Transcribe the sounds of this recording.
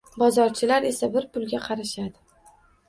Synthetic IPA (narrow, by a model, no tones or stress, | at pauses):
bɒzɒɾt͡ʃʰɪlaɾe̞sabɪɾpʰʊlɡʲaqʰɑɾaʃad̪ɪ